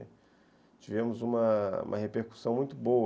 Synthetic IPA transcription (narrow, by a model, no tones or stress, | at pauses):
t͡ʃivẽmʊzũmɐṵ̃mʔɐ̰hepeɾku̥sɐ̃w̃mũj̃t̪ʊbo